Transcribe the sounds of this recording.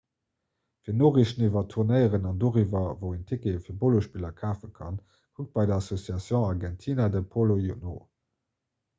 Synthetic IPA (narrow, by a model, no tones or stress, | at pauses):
fiːɐnoːʁiʃnivɐtʰuʁnəɪəʁənɑndoːʁivɐvoʊentʰekefiːɐboloʃpiːlɐkʰaːfənkʰɑn | kʰuk̚t̚b̥ɑɪdɐɑsosjɑsjõʊɑʁɡɛntʰiːnadəpʰolojuno̰